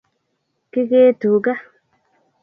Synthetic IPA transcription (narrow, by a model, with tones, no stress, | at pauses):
ki˦ɡe˦tu˨ɡa˦